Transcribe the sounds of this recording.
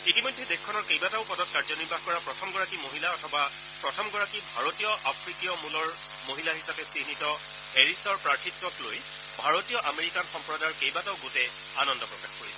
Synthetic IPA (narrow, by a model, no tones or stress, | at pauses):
itimɔjdʱːɛdexkʰːɔnɔɹkejbataʊpɔdɔt̚kaɹzɔniɹbʱaxkɔɹapɹɔtʰɔmɡɔɹakimoɦilaɔtʰɔba | pɹɔtʰɔmɡɔɹakibʱaɹotijɔʔapʰɹikijɔmulɔɹ | moɦilaɦisapɛsinitɔ | heɹisɔɹpɹaɹtʰitːɔkloj | bʱaɹɔtijɔʔameɹikanxɔmpɹɔdaɹkejbataʊɡotɛ | anɔndɔpɹɔkaxkoɹisɛ